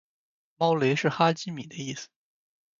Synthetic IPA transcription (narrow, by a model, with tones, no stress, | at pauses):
mɑ˥ʊle˧˥ʂɻ̩˥˩xa˥t͡ɕi˥mi˨˩d̪ə˦i˥˩sɹ̩̥˩